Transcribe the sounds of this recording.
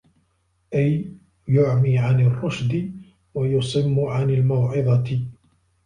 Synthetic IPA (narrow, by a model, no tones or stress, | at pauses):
ʔaj | jʊʕmiːʕanɪrˤːʊʃd̪ɪ | wajʊsˤɪmːʊʕanalmawʕɪðˤɑt̪ɪ